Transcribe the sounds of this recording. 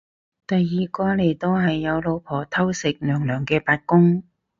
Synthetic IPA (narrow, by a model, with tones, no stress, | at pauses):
t̪ɐ˨jːiː˨kɔː˧le˨˩jt̪o˧wɦɐ˨jːɐ˨˧wlo˨˧wpʰɔː˨˩t̪ʰɐ˥wsɪ˨k̚nœː˨˩ŋlœː˨˩ŋkɛː˧paː˧t̚kʊ˥ŋ